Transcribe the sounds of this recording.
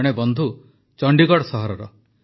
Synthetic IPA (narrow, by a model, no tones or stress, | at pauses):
ɽ̃ebɔnd̪ʱu | t͡ʃɔɳɖiɡɔɽsɔɦɔɾɔɾɔ